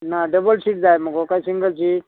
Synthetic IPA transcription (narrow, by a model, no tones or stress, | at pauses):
naɖəbəlsiʈ̚d͡zajm̤əkokaisiŋɡəlt͡ɕʰi